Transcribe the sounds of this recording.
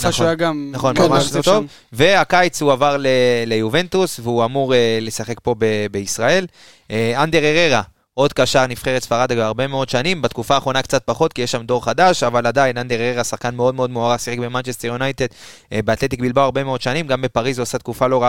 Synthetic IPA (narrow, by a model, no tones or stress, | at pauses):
nχaɡamnaχonmamaʃt̪ov | ve̞akajt͡shuavaʁlele̞juve̞nt̪usveuamuʁele̞saχe̞kpo̞bebe̞isʁae̞l | and̪eʁeʁe̞ʁa | o̞d̪kaʃaʁnifχe̞ʁet̪sfaʁad̪aɡeaʁbe̞meo̞d̪ʃanimbat̪kufaːχʁo̞nakt͡sat̪̚paχo̞t̪kijeʃamd̪o̞ʁχad̪aʃavalad̪ainand̪eʁeʁeʁasaχkanmeo̞d̪̚me̞o̞d̪moaʁasiχekbe̞mant͡ʃest̪eʁjunajt̪e̞d̪ | beat̪le̞t̪ik̚bilbawaʁbe̞meo̞d̪ʃanimɡambe̞paʁizuasat̪̚kufalo̞ʁa